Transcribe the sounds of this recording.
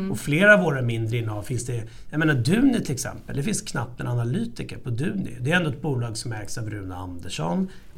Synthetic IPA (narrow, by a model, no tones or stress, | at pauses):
ɔfleːɾavoːɾamɪnd̪ɾəɪnːəɑːvfɪnsd̪ɛ | jameːnad̪ʉ̟ːnɪt̪ʰɪlɛksɛ̰mpəld̪ɛfɪnskʰnapːɛnanalyːt̪ɪkəɾpʰɔd̪ʉ̟ːnɪ̰d̪ɛɾɛnd̪ɔɛt̪̚buːlɑːɡsɔmːæɾksavɾʉ̟ːnaa̰nd̪əʂɔ̰n